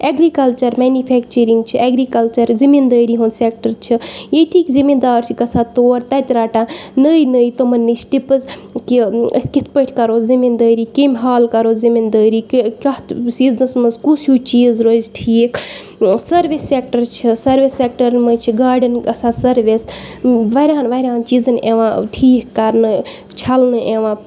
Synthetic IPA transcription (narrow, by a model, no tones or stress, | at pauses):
eɡɾikɐlt͡ʃɐɾmeːnipʰek̚t͡ʃəɾiŋɡt͡ʃʰiʔeɡɾikɐlt͡ʃɐɾzimind̪əːɾiɦonsek̚ʈɐɾt͡ʃʰijeʈʰiːkzimid̪aːɾt͡ʃʰikɐsʰaːt̪oːɾt̪ɐt̪ɾaːʈãːnəjnəjt̪omɐnːit͡ʃʰʈipɨzkiə̰skit̪̚ʰpəʈʰkɐɾozimind̪əːɾikemʲɦaːlkɐɾoːzimind̪əːɾikkʲɐt̪siːznɨsmɐzkusʰjuːt͡ʃiːzɾojzʈʰiːk | sɐɾʋisːek̚ʈɐɾt͡ʃʰisɐɾʋisːek̚ʈɐɾnmət͡ʃʰiɡaːɾɖənɡɐsʰaːsɐɾʋisʋɐɾʲãːnʋɐɾʲãːnt͡ʃizɨneʋãʈʰiːkːɐɾnɨ | t͡ʃʰɐlnɨʔeʋãː